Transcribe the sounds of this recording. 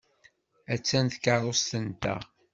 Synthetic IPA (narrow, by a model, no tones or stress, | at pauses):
æt͡sːænθkəɾˤost̪ənt̪æ̰